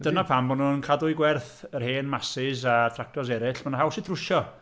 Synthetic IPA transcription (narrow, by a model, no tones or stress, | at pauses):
d̥ənapʰambɔnuənkʰadʊjɡwɛrθərheːnmasɪzatʰrak̚tʰɔs̬ɛɾɪɬmanahɦawsɪtʰrʊʃɔ